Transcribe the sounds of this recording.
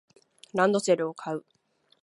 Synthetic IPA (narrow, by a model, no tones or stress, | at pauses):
ɾãnd̪o̞se̞ɾɯ̟okʰaɯ̟